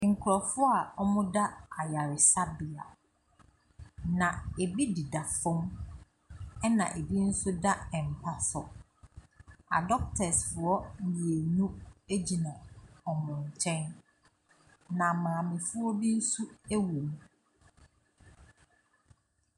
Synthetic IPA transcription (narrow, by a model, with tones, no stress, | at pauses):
ŋ̩˨kʰʊ˨ɾɔ˨fʊ˦a˨ɔ˦mʊ̃˦da˦a˨ja˨ɾɪ˨sa˦bi˨a̰˨ | nã˨e˨bi˦di˨da˨fʊ̃˦m | ɛ˦nã̰˨ʔe˨bi˦n̩˦sʊ˦da˦ɛ̃˨m̩˨pʰa˦sɔ˨ | a̰˨dɔ˦k̚tʰɛ˨sfʊ˨ɔ˦i˨e˨nũ˦e˦d͡ʑi˨nã˨ɔ˨mʊ̃˨ɲ˨t͡ɕʰɛ̃˦n | nã˨mãː˨mɪ̃˨fʊ˦ɔ˦bi˦n̩˦su˦æ˦wo˨m˦